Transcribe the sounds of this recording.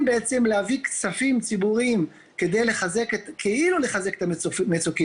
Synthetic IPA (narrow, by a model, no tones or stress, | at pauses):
beet͡se̞mlehavikt͡safimt͡sibuʁim | ke̞d̪ejle̞χaze̞ket̪kʰeilule̞χaze̞ke̥t̪aefmet͡soki